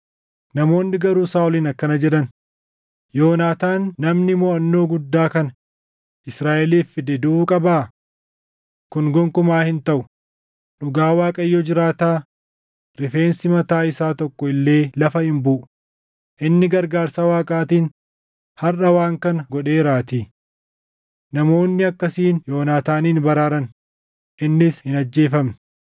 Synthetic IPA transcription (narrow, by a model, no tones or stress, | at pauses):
nɐmo̞ːnːɪɡɐɾuːsaːʊliːnɐkːɐnɐd͡ʒɛᶑɐn | jo̞ːnaːt̪aːnːɐmnɪmoːɐnːo̞ːɡʊd̪ːaːkɐnɐ | ʔɪsɾaːʔɛliːfːɪd̪ɛd̪ʊuːkʼɐbaː | kʊnɡɔŋkʊmaːhɪnt̪ɐʔʊ | nʊɡaːwaːkʼɐjːɔd͡ʒɪɾaːt̪aː | ɾɪfe̞ːnsɪmɐt̪aːɪsaːt̪ɔkːɔɪlːe̞ːlɐfɐhɪmbʊʔʊ | ʔɪnːɪɡɐɾɡaːɾsɐwaːkʼaːt̪iːn | hɐrʔɐwaːŋkɐnɐɡɔᶑe̞ːɾaːt̪iː | nɐmo̞ːnːɪɐkːɐsiːnjo̞ːnaːt̪aːniːnbɐɾaːɾɐn | ʔɪnːɪshɪnɐd͡ʒːe̞ːfɐmnɐ